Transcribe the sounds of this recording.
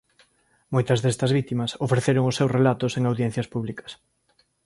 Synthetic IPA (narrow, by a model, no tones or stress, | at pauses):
mojt̪ɐzðest̪ɐzβ̞it̪imɐsofɾeθeɾoŋʊsːewsrelat̪ʊseŋawðjẽn̟θjɐspuβlikɐ̥s